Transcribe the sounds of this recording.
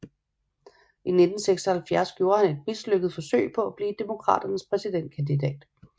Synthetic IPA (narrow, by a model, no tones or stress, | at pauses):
ʔine̝d̥n̩seɡ̥sɐhælfjæɐsɡ̥jo̝ːɐhæne̝d̥̚misløɡ̥əð̞̩ˠfɒ̽sø̰ɪ̰pʰɒ̽æb̥liːd̥e̝mo̝kʰʁɑ̰̈ːd̥ɐnəspʰʁɛsid̥en̰d̥̚kʰænd̥idɛ̰ːd̥